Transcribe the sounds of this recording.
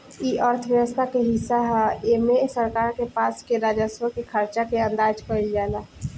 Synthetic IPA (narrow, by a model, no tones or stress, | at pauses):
iːəɾt̪ʰəʋjəʋəst̪ʰakeɦɪsːaɦɛeːmesəɾkaːɾkepaːskeɾaːd͡ʒəswəkekʰəɾt͡ʃakeə̃nd̪aːd͡ʒkəid͡ʒaːna